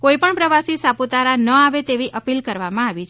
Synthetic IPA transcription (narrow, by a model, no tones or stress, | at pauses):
koipəɳpɾəʋasisaput̪aɾanəaʋet̪eʋiʔəpilkəɾʋamãaʋit͡ʃʰ